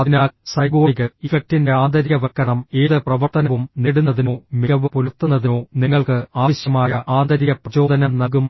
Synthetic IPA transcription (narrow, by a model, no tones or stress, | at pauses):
ɐðinaːsɐjɡoːɣɨifɐk̚tinde̞aːnd̪ɐɾiɣɐʋɐkːɐɳɐme̞ːðɨprɐʋɐrt̪ɐnɐʋumneɽunːɐðino̞ːmiɣɐʋɨpolut̪ːunːɐðino̞ːniŋːɐɭkɨaːʋɐɕjɐmaːjɐʔaːnd̪ɐɾiɣɐprɐt͡ɕo̞ːd̪ɐnɐmnɐɡum